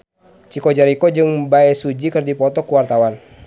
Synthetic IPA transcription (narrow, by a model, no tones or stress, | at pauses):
t͡ʃikɔd͡ʒaɾikɔd͡ʒɨŋbaɛsud͡ʒikɨrdipɔt̪ɔkəwart̪awan